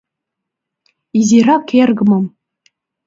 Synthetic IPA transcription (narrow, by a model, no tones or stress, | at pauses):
izʲiɾɑkʲerɡɤ̆mɤ̆m